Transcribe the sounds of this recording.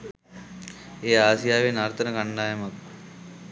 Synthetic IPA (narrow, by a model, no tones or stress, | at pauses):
eːaːsijaːʋenaɾt̪ənəkaɳːaːjɐmɐk